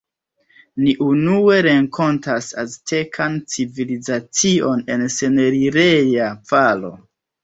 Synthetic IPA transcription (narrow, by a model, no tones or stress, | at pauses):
niʔunue̞ɾe̞ŋkʰo̞ntasastʰe̞kʰant͡sivilizat͡sio̞ne̞nse̞ne̞ɾiɾe̞javalo̞̰